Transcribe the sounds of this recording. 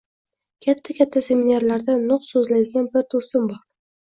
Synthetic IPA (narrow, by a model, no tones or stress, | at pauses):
kʲʰat̪ʰːakʲʰat̪ʰːase̞minaɾlaɾd̪anʊqsɵzlad̪ɪɡʲanbɪɾt̪ʰɵsɪmbɒɾ